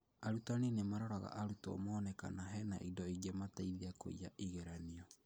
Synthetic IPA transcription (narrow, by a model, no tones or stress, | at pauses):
aɾutaninemaɾɔɾaɣa̰ʔaɾutɔ̰mɔːnɛka̰naɦɛna̰ʔidɔiɣɛmataiðiako̰ḭaʔiɣeɾaniɔ